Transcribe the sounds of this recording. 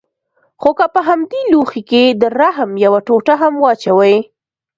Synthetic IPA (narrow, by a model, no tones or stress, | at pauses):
xokəpəɦamd̪eluxiked̪əɾaɦmjawaʈoʈaɦamwɑt͡ʃawaj